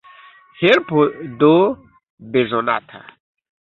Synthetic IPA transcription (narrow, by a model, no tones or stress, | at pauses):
helpodo | bezona̰tʰa̰